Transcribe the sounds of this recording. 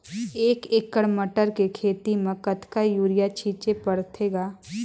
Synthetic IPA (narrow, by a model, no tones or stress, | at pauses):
eːkeːkːəɽməʈəɾkekʰeːt̪imẽkət̪ʰkajuːɾɪjat͡ʃʰiːt͡ʃepɐɽt̪ʰeːɡaː